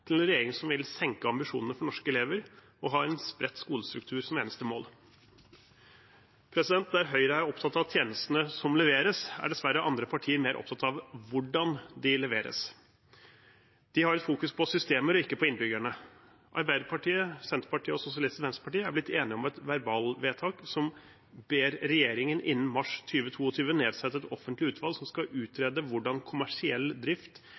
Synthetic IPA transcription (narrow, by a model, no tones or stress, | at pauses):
t̪ʰɪlɛnɾɛjeːɾɪŋsɔmʋɪlsɛŋkəɑmbɪʂuːnənəfɔɳɔʂkəɛleːʋəɾ | ɔɦɑːɛnspɾɛt̪ːskuːləst̪ɾʉk̚t̪ʰʉːɾsɔmeːnəst̪əmoːl | pʰɾɛsɪd̪ɛnt̪̚d̪æɾɦœʏɾəæɾɔpt̪ʰɑt̪ːɑʋt̪ʰjeːnəst̪nəsɔmlɛʋeːɾəsæ̰ɖɛsʋæɾːəʔɑnd̪ɾəpʰɑʈʰiːəɾmeːɾʔɔ̰p̚t̪ʰɑt̪ɑʋʋʊɖɑnd̪ɪlɛʋeːɾə̰s | d̪̥ɪhɑɾɛt̪fuːkʉspʰɔsʏst̪eːməɾɔɪkːəpʰɔɪnbʏɡæɳə | ʔɑɾbæɪd̪əɾpʰɑʈiːəsɛnt̪ɾəpɑʈʰiːəɔsʊsɪɑlɪst̪ʋɛnsəpʰɑʈiːəæblɪt̪ːeːnɪɔmɛt̪ʋæɾbɑːlʋeːt̪ʰɑːksɔm | beːɾɾɛjeːɾɪŋənʔɪnːn̩mɑʂt̪ʰyːʋət̪ʰuːɔt̪ʰyːʋəneːd̪sɛt̪ːəɛt̪ɔfənt̪lɪʉːt̪ʰʋɑlsɔmskɑʔʉːt̪ʰɾɛːd̪əʋʊɖɑnkʰʊmæʂɪɛlːd̪ɾɪft̪